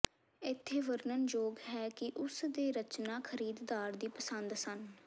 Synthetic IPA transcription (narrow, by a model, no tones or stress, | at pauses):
ɪt̪ʰːeːʋəɾnənd͡ʒoːɡɦɛːkɪʔʊsd̪eːɾət͡ʃnaːkʰəɾiːd̪d̪aːɾd̪iːpəsənd̪sən